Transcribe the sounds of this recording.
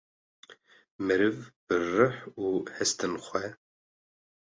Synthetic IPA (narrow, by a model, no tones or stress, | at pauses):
mɨɾɨvb̥ɨrɨħuːhɛst̪ʰɨnxʷɛ